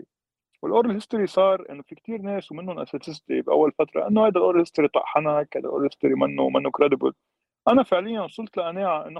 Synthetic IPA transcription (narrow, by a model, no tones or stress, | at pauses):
wɪlʔoːɾˤɪlhɪst̪ɪɾisˤɑːɾˤʔɪ̰nːofikt̪iːɾneːswmɪnːʊnʔa̰set̪ɪsd̪ibʔa̰wːalfat̪ɾˤɑ̰ʔɪnːʊhajd̪alʔoːɾlhɪst̪aɾit̪ˤɑ̰ʔħanakhajd̪alʔo̰ɾlhɪst̪ɪɾimɪnːuwmanːʊkɾed̪ɪbʊ̰l | ʔanafɪʕlɪjːansˤʊlt̪ˤlaʔaneːʕaʔɪnː